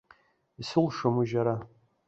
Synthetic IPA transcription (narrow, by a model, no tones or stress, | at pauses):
isɨlʂɐmuʒaɾa